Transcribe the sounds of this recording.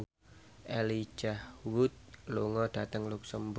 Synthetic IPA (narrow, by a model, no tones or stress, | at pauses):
ʔeli̥d͡ʒahwʊt̪̚luŋɔd̥at̪əŋluksəmb